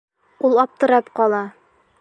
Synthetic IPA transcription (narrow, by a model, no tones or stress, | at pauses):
ulˠɒp̚t̪ɤ̆ɾɑpqɒlˠɑ